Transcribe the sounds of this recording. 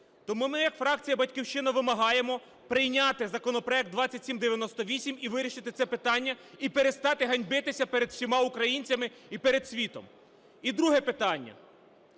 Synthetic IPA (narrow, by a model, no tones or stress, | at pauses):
t̪ɔmumɪjɐkfɾɑk̚t͡sʲijɐbɐtʲkʲiwʃt͡ʃɪnɐʋɪmɐɦɑje̞mɔ | pɾɪjnʲat̪ɪzɐkɔnɔpɾɔɛk̚t̪d̪ʋɑt͡sʲːɐtʲsʲimd̪eʋʲjɐnɔst̪ɔʋʲisʲimiʋɪɾʲiʃɪt̪ɪt̪sɛpɪt̪ɑnʲːɐipeɾest̪ɑt̪ɪɦɐnʲbɪt̪ɪsʲɐpeɾed̪sʲimɑukɾɐjinʲt͡sʲɐmɪipeɾed̪sʲʋʲit̪ɔ̰m | id̪ɾuɦɛpɪt̪ɑnʲːɐ̰